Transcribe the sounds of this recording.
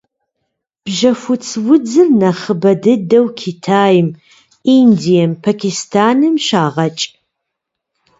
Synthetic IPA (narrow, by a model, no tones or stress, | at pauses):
b̥ʒɐfʷʊt͡sʰwʊd͡zɨrnɐχəbɐdɨdɐwkʰitʰaːjɪm | indijɐmpʰakʰʲistʰaːnɨmʃaːʁɐt͡ʃʼ